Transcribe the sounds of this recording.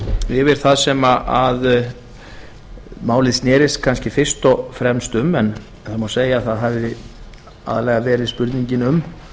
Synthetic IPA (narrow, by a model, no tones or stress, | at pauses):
jɛvɛɾ̥θaðsɛmaʔað | maːwlɪðsnɛːɾɪskʰanscɪfɪr̥st̪ɔɣfɾɛmst̪ʏmɛn | θaðmaseːjaðθaðɦavɪ | a̰ðalɛɣavɛːɾɪðspʏɾt̪niɲcɪnʏm